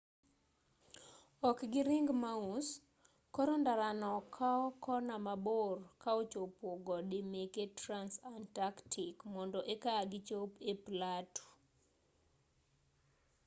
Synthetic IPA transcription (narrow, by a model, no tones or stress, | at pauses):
ɔkɡɪɾɪŋɡmaus | kɔɾɔndaɾanɔkʰaɔkɔnamaborkaot͡ʃopoɡɔdimeketransantaktʰikmɔndɔʔekaaɡɪt͡ʃopeplato̥